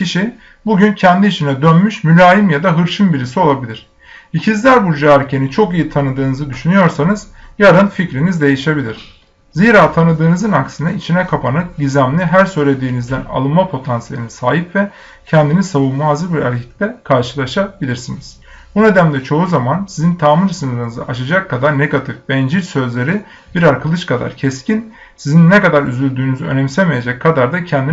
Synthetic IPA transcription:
ciʃi | buɟyncʰɛnd̪iːʃinɛd̪ønmyʃmylʲaːjimjad̪aɦɯɾʃɯnbiɾisio̞lˠabilʲiɾ̝̥ | icʰizlʲæɾbuɾd͡ʒaæɾcʰe̞nit͡ʃʰo̞kijit̪ʰanɯd̪ɯːnɯzɯd̪yʃynyjo̞ɾsanɯz̥jaɾɯnficɾinizd̪e̞jiʃe̞bilʲiɾ̥ | ziːɾaːt̪ʰanɯd̪ɯːnɯzɯnaksɯnɯit͡ʃʰinɛkʰapʰanɯɟizæmlʲiɦæɾsø̞jlʲe̞d̪iːnizd̪æna̰lˠɯnmapʰo̞t̪ʰansijḛlʲinisaːɦipvɛ | cʰɛnd̪inisaβulˠmazɯbiɾaɾcʰiclʲɛkʰaɾʃɯlˠaʃabilʲiɾsiniz̥ | bune̞d̪æmlʲɛt͡ʃʰo̞uzamansizint̪ʰaːmɯɾsɯnɯɾɯnɯzɯ̰ʔaʃad͡ʒakʰːad̪aɾnɛkʰat̪ʰɯfbɛnd͡ʒiɾsø̞zlʲe̞ɾi | biɾaɾkʰɯlˠɯʃkʰad̪a̰ɾcʰɛscʰin | sizinːɛkad̪aɾy̰zylʲd̪yːnyzyø̞̰nɛmsemeje̞d͡ʒɛcʰːad̪aɾd̪acʰɛnd̪i

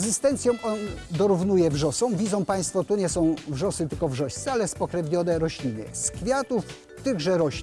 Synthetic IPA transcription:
zɘst̪ɛnt̪sʲjɔ̃w̃ʔɔnd̪ɔɾuvnujɛvʐɔsɔ̃w̃vʲid̪zɔ̃w̃paj̃st̪fɔt̪uɲɛsɔ̃w̃vʐɔsɘt̪ɘlkɔvʐɔɕt̪sɛalɛspɔkɾɛvɲɔnɛɾɔɕlʲinɘ̰skfʲjat̪uf | t̪ɘɣʐɛɾɔɕʲ

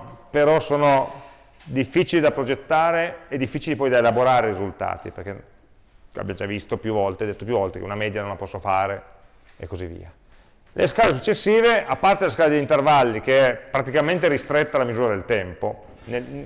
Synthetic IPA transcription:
peɾɔsoːno | d̪ifːit͡ʃilid̪apɾod͡ʒet̪ːaːɾeːd̪ːifːiːt͡ʃilipɔjd̪aelaboɾaːɾeɾizult̪a̰ːt̪ḭperk̟en | a̰bjamd͡ʒavist̪opjuvɔlt̪ed̪et̪ːopjuvɔlt̪ekḛunamɛːd̪janõnlapɔsːofaːɾe | ḛkːozivːḭːa | lʔḛskaːles̬ut͡ʃːesːiːveʔapːart̪edlas̬kaːled̪eint̪ervalːikeɛpːɾat̪ikament̪eɾist̪ɾet̪ːalamizuːɾad̪elt̪ɛmpo | ne

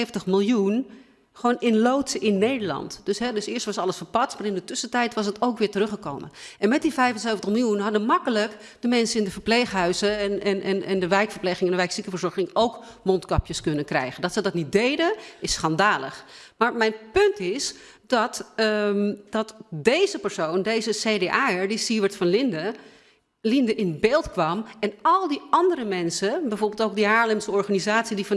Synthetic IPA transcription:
vəntəχmɪlˠjun | xʋoːnɪnlowtsəɪnːeːdəɹlɑ̰ntd̥øsɦɛdøsɪəstʋɑsɑlˠəsfəɹpɑtsmaːrɪndətøsətɛjtʋɑsətowkʋɪːtərøχəko̰wmənɛnmɛt̚difɛjvənseːvəntəxmɪlˠjunɦɑdəmɑkələk | d̥əmɛnsəɪndəfəɹpleːχɦœɥzənɛnʔɛnʔɛ̰ndəʋɛjkfərɹpleːxɪŋəndəʋɛjksikəfəɹz̥ɔɹxɪŋowkmɔntkɑpjəskɵnənkrɛ̰jχəndɔtsədɔtnit̚dejdəɪsχɑndaːlə̰χmaːɹmɛjnpɵntɪs | d̥ɑt | d̥ɑtdejzəpəɹsowndejzəsejdeʔaːɛɹdisiʋətfɑnlɪndə | lindəʔɪnbeːlˠtkʋɑmɛnɑlˠdiɑndəɾəmɛnsəbɛjvɔɹbelˠtowk̚diɦaːɹlɪmsəɔɹχanizaːtsidif

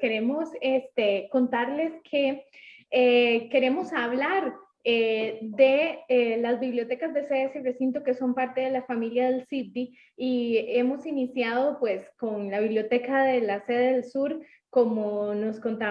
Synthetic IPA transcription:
ke̞ɾemo̞sest̪eko̞nt̪aɾle̞skʰe̞ | eke̞ɾe̞mo̞saβlaɾ | ed̪eelazbiβljo̞t̪e̞kazd̪e̞seðesire̞sint̪oke̞so̞mpaɾt̪e̞ðe̞lafamiljaðe̞lsip̚d̪iː | e̞mo̞sinisjaðo̞pwe̞sko̞nlaβiβljo̞t̪e̞kaðe̞lase̞ðeðelsuɾ | ko̞mono̞sko̞nt̪a

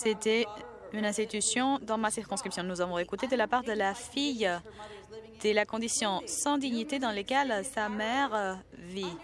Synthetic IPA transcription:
set̪ɛ | ynɛ̃st̪it̪ysjɔ̃d̪ɑ̃masiʁkɔ̃skχipsjɔ̃nuzavɔ̃ekut̪ed̪əlapaʁd̪əlafij | d̪̥elakɔ̃d̪isjɔ̃sɑ̃d̪iɲit̪ed̪ɑ̃lekʲɛlsamɛʁvi

